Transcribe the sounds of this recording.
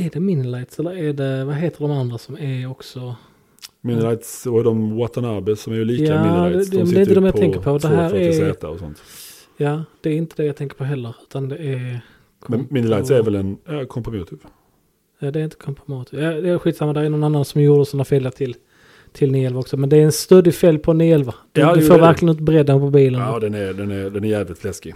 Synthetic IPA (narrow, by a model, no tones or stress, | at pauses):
æɖɛmɪnɪlaɪt̪sɛlːəɾæɖɛvaɦeːt̪əɖɔmand̪ɾasɔmæɾɔksɔ | mɪnɪlajt̪shet̪ɔmwɔt̪ənaɾbɛsɔmæɾjʉliːkjaːɛaːmɛd̪ɛɾɪnd̪ɔmjat̪ʰɛŋkəɾpʰɔd̪ɛɦæːɾæɾɛːt̪a̰ɔsɔ̰nt̪ | jɑːd̪̥ɛːɾɪnt̪əd̪ɛjaɡt̪ʰɛŋkəɾpʰɔɦɛlːəɾʉ̟ːt̪and̪ɛæɾ | kʰmɛmɪnɪlaɪt̪sæɾvɛlɛnakʰɔmpɾɪm̰ːt̪ʰɪv | jaːd̪ɛɾɪnt̪əkʰɔmpɾɪmut̪ɪvjad̪ɛɧiːt̪samːad̪ɛæɾnɔnanːansɔmjuːɖəsɔnːafilːət̪ʰɪl | t̪ʰɪlniɛlvaɔksɔmɛnd̪ɛæɾɛnst̪œd̪ɪfɛljpʰɔniɛlvad̥̪ɪfoːɾɾvæɾklɪɡənʉːt̪əbɾɛd̪ːənpʰɔbiːlənd̪ɛnæɾd̪ɛnæɾd̪ɛnæɾjæːvlɪt̪flɛskɪ